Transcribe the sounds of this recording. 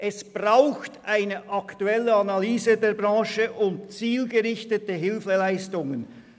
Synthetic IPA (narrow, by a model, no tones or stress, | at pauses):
ʔɛsb̥ʁaʊxtʔaɪnəʔɑktuɛlːəanalyːzədeːɐɾbʁɑ̃ːʃəʔʊntt͡siːlɡəʁɪçtətəɦɪlfəlaɪstʊŋən